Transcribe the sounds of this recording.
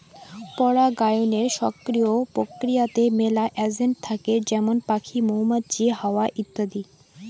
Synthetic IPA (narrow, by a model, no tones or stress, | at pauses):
pɔɽaɡajoneɾʃɔkɾiopɾokɾijat̪emelaʔɛd͡ʑeɳʈ̚t̪ʰaked͡ʑɛmonpakʰimoɦmad̪̚d͡ʑiɦaoaʔit̪ːad̪i